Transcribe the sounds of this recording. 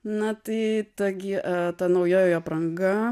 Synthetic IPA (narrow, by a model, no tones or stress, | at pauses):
nɐt̪ɐɪt̪ɐɡʲɪʔɐt̪ɐnɐʊjoːjoːjɐprɐŋɡɐ